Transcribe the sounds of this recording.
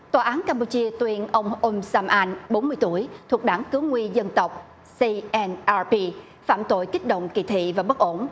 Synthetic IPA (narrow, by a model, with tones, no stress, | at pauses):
t̪waː˨˩ʔaː˨˦nkaː˧mpu˧t͡ɕi˧ət̪wi˧ənʔə˧wŋ͡mʔo˧msaː˧mʔaː˧nɓo˨˦nmɨ˧əjt̪u˧˩əjt̪ʰu˨˩ək̚ɗaː˧˩ŋkɨ˨˦wŋwi˧zə˧nt̪ə˨˩wk͡p̚ | si˧ʔɛ˧nʔaː˧pi˧ | faː˧˩mt̪o̰˧˨jkï˦˥k̟̚ɗə̰˧˨wŋ͡mkḭ˧˨t̪ʰḭ˧˨vaː˨˩ɓə˦˥k̚ʔo˧˩n